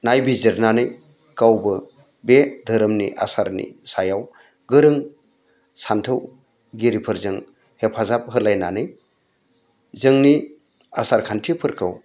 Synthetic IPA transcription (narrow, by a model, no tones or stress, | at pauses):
najbizeɾnanɯj | kawbɯ | bedʱɯɾɯmnḭʔa̰saɾnḭsajaw | ɡɯɾɯŋ | santʰɯw | ɡiɾipʰɯɾzɯŋ | hepʰazap̚ɦɯlajnanɯj | zɯŋni | a̰saɾkʰantʰipʰɯɾkʰɯw